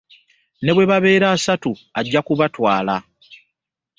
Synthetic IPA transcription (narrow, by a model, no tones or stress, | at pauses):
ne̞βwe̞βaβe̞ːɾaːsatuaɟːakuβatwaːla